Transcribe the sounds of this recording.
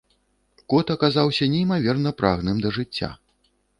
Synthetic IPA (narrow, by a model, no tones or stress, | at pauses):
kɔt̪ɐkazawsʲɐnʲɛimavʲɛrnɐpɾa̰ɣnɨmd̪ɐʐɨt͡sʲːa̰